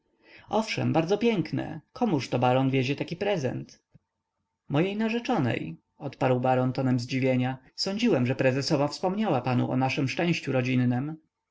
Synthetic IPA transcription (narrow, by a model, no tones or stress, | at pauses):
ɔfʂɛ̰mbaɾd̪zɔpʲjɛŋknɛ̰kʰɔmuʂt̪ɔbaɾɔnvʲjed͡ʑɛt̪akʲipɾɛzɛ̰nt̪ | mɔjejnaʐɛt͡ʂɔnɛ̰j | ɔt̪paɾwbaɾɔnt̪ɔnɛmzd͡ʑivʲjeɲa | sɔɲd͡ʑiwɛmʐɛpɾɛzɛsɔvafspɔmɲawapanṵʔɔ̰naʂɛmʂt͡ʂɛ̃w̃ɕt͡ɕuɾɔd͡ʑinːɛm